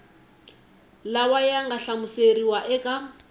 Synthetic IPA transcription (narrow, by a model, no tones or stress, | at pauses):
lawajaŋɡaɬamuseɾiwaʔɛkʼa